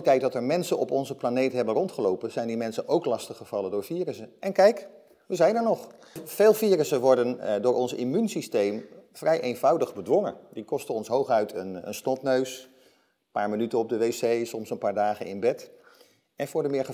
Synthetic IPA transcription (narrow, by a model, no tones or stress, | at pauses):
itɛjt̚dɑtəɹmɛnsənʔɔ̰pɔnzəplanejtɦɛbənrɔntχəlowpənz̥ɛjndimɛnsənʔowklɑstəχəv̥ɑləndʊːɹfiːrəsəʔɛnkɛjk | ʋəzɛjnəɹnɔχ | v̥eːlˠfiːɾəsənʋɔɹdəndʊːɹʔɔnsimynsistejmfrɛjʔejnvɑwdəχbədʋɔŋəndikɔstənɔnsɦowχœɥtənə̰nsnɔtnøɥs | paːɹmənytənɔb̚dəʋejsejsɔmsənpaːɹdaːχənɪ̰nbɛt | ɛnfʊːɹdəmɪːɹχə